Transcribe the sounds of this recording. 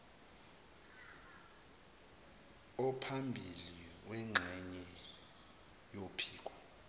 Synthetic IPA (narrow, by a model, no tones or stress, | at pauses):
ɔpʰambʱiliwɛŋ͡ǁʱɛɲɛ | jopʰiːk̬ʼwa